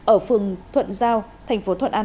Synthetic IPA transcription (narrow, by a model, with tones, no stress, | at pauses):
ʔəː˧˩fɨ˨˩əŋt̪ʰwə̰˧˨nzaː˧wt̪ʰɛ˨˩jŋ̟fo˨˦t̪ʰwə̰˧˨nʔaː˧